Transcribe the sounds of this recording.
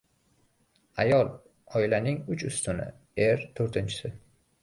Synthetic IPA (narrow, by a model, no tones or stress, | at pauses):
ajɒlˠ | ɒɪlanɪŋʊt͡ʃʊst̪ʊnɪ̰ | e̞ɾt̪ʰoɾt̪ʰɪnt͡ʃʰɪ̥sɪ